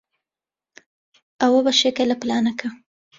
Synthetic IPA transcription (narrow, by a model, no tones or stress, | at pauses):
awabaʃekalaplɑnakʰa